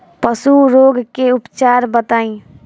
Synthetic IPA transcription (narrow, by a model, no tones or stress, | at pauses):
pəsuɾoːɡkeʊpt͡ʃaːɾbət̪aːĩ